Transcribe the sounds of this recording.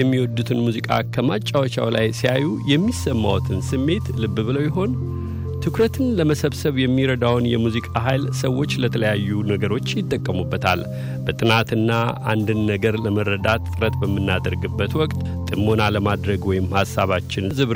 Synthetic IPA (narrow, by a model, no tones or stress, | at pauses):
ɛmːiwɔd̪ːut̪ʰɨnmuzikʼa̰kʰəmat͡ʃʼːawɔt͡ʃa̰wla̰jsijajujɛmːisəmːa̰wt̪ʰɨnsɨmːe̞t̪lɨbːɨβɨləwjɛɦo̞n | t̪ʰɨkɾət̪ʰɨnləməsəβsəβjɛmːiɾəd̪awnjɛmuzikʼaɦajlsəwːo̞t͡ʃːlət̪ʰələjajːunəɡəɾo̞t͡ʃːjɪt̪ʼːəkʼːəmubːət̪ʰa̰l | bət̪ʼɨnat̪ɨnːaʔa̰nd̪ɨnːəɡəɾləməɾːəd̪at̪ːʼɨɾət̪bəmːɨnːad̪əɾɡɨbːət̪wɔkʼt̪ʼ | t̪ʼɨmːo̞naləmad̪ɾəɡwɔjɪmhasːaβat͡ʃːɪnzɨβ